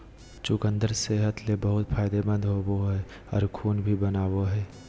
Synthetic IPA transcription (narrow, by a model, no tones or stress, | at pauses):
t͡ʃʊkə̃nd̪əɾseɦət̪lebəɦʊt̪pʰaːɪd̪ebə̃nd̪ɦoboɦɛː | ɔ̰ːɾkʰuːnbʱibɐnaːwoɦɛː